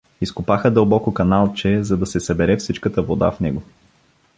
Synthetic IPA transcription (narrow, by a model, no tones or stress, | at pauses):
iskʊpaxəd̪əlˠbɔkokɐnalˠt͡ʃɛzɐd̪ɐsɛsɐbɛɾɛfsit͡ʃkət̪əvod̪a̰fnɛɡo